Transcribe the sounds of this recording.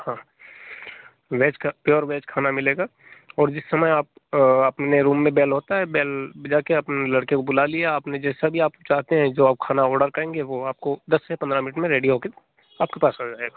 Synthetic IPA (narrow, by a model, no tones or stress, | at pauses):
hãː | ʋɛːt͡ʃkapjɔːɾʋɛːt͡ʃkʰaːnamɪleːɡaː | ɔːɾd͡ʒɪsːɐməjaːp̚ɐpneɾuːmːẽbɛːlɦoːt̪aɦɛbɛːld͡ʒaːkeapnelɐɽkekobʊlaliaaːpned͡ʒɛːsabʱiaːpt͡ʃaːɦt̪eɦɛ̃d͡ʒoːaːp̚kʰaːnaɔːɾɖəɾkɐɾẽːŋɡeʋoaːp̚kod̪ɐsːepɐnd̪ɾamɪnɪʈmẽɾeːɖiɦoːke | aːp̚kepaːsɐd͡ʒaːeːɡaː